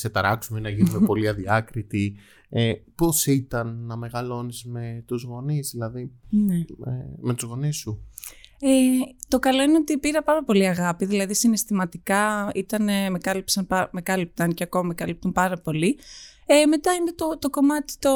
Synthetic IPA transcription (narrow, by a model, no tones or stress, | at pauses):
set̪ɐɾɐksumenɐʝinumepo̞liɐðiɐkɾit̪i | epo̞sit̪ɐnːɐme̞ɣɐlo̞nizme̞t̪uzɣo̞nizðilɐðineeme̞t̪uzɣo̞nisu | et̪o̞kɐlo̞ineot̪ipiɾɐpɐɾɐpo̞liɐɣɐpiðilɐðisine̞st̪imɐt̪ikɐit̪ɐneme̞kɐlipsɐnpɐme̞kɐlip̚t̪ɐnceɐko̞mɐmekɐlip̚t̪umpɐɾɐpo̞li | eme̞t̪ɐinet̪ot̪o̞ko̞mɐt̪i̥t̪o